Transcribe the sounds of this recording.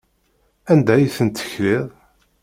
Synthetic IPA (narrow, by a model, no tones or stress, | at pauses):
ænd̪æjiθənt̪ːə̥çɾɪðˤ